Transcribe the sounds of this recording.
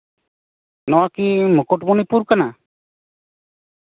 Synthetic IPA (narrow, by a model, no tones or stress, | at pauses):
nɔwakimukuʈbunipuɾkana